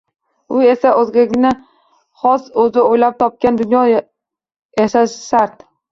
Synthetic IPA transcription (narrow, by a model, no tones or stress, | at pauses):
ʊe̞saʔɵzɡʲaɡʲɪna | χɒsɵzɪojlap̚t̪ʰɒp̚kʲand̪ʊnjɒ | jaʃaʃsaɾt̪